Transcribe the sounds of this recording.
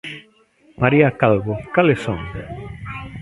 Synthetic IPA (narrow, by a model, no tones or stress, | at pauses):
maɾiakalɣokalesoŋ